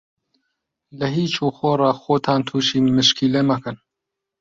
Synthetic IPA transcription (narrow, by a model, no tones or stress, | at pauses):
lɐɦiːt͡ʃuːxoːrˤɑxoːt̪ʰaːnt̪ʰuːʃiːmɨʃkiːlemɐkɨn